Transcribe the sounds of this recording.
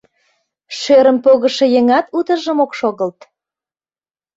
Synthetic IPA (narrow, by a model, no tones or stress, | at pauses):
ʃøɾəmpoɣəʃejeŋɑt̪ut̪əʒəmokʃoɣəlt̪